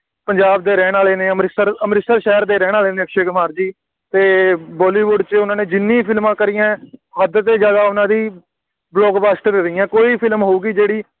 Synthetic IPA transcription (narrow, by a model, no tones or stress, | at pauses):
pəɲd͡ʒaːbd̪eːɾɛːɽ̃aːleːneːəmɾɪsəɾəmɾɪsəɾʃɛːɾd̪eːɾɛːɽ̃aːleːnẽːəkʃeːkmaːɾd͡ʒiː | t̪eːbɔːliːʋʊɖt͡ʃʊnãːnẽːd͡ʒɪnːĩːpʰɪlmãːkəɾijɛ̃ːɦəd̪t̪eːd͡ʒəɡaːʊnãːd̪iː | blɔːɡbaːsʈɾeɾɪːɛ̃ːkoːiːpʰɪlmɦoːɡiːd͡ʒeːɽiː